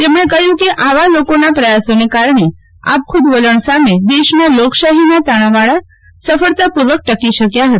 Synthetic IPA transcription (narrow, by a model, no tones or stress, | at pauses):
t̪emɽ̃ẽkəɦjũkiʔaʋalokonapɾəjasonekaɾɳe | a̰p̚kʰʊd̪ʋoləɳ̃samed̪eʃmãlokʃaɦinat̪aɽ̃ãʋaɭa | səfəɭt̪apuɾʋək̚ʈəkiʃəkjaɦət̪